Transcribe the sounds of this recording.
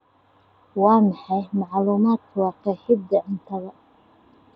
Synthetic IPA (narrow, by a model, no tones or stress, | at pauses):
wɑːmɑħɑjmɑʕluːmaːd̪kʰʊwɑːqɛħɪd̪ːɐʔɪnt̪ʰɐɣɐ